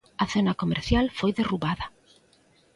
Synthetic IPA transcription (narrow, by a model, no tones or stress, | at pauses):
ɐθonɐkomḛɾθjalfojðeruβaðɐ